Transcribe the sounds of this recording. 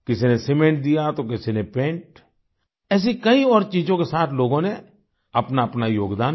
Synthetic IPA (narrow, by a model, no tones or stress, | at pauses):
kɪsinesɪmẽːɳʈ̚d̪ijat̪okɪsinepẽːɳʈ | ɛːs̬ikɐiɔːɾt͡ʃiːd͡ʒõkesaːt̪ʰloːɡõne | ɐpnaɐpnajoːɡd̪aː